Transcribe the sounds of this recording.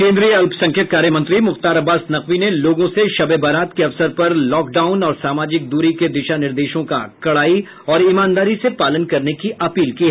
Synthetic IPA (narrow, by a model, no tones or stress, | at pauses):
kẽːnd̪ɾijəɐlpsɐ̃ŋkʰjət̪̚kaːɾjəmɐ̃nt̪ɾimʊxt̪aːɾɐbːaːsnɐxʋineloːɡõseʃɐbebɐɾaːt̪keɐʋsəɾpɐɾlɔːk̚ɖaːʊnɔːɾsaːmaːd͡ʒɪk̚d̪uːɾiked̪ɪʃanɪɾd̪eːʃõka̰kɐɽaːi | ɔːɾimãːnd̪aːɾisepaːlənkɐɾnekiʔɐpiːlkiɦɛː